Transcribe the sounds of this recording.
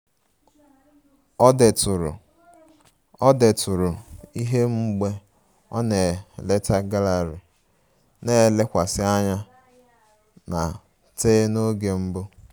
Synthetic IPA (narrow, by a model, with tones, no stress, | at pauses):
ɔ˦de˨tʊ˨ɾʊ̰˨ | ɔ˦de˨tʊ˨ɾʊ˨i˦ɦe˦m̩˦ɡ͡be˦ | ɔ̰˦ne˨le˦ta˦ɡa˦la˨ɾɪ˨ | ne˦˨le˦kʷa˨sɪ˦a˦ɲa˦ | na˨ | teː˦no˦ɡe˨m̩˦bʊ˦